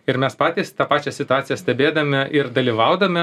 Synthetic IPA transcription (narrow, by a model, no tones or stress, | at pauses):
ɪɾmʲɛspɑːt̪ʲiːst̪ɑːpɑːt͡ʃʲɛsʲɪt̪ʊɑːt̪sʲɪjɛsʲt̪ʲɛbʲeːd̪ɐmʲɪʔɪɾd̪ɐlʲiːʋɐʊd̪ɐmʲɪ